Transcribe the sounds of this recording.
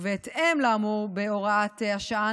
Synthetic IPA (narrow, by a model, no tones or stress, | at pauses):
veːt̪emlaːmuʁbeoʁat̪ehaʃaa